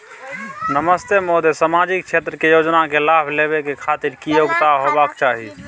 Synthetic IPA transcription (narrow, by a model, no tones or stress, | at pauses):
nəməst̪emod̪esamad͡ʒik̚t͡ʃʰet̪ɾəkejod͡ʒnakelabʱleβekekʰat̪iɾkijoɡt̪aɦobakt͡ʃaɦi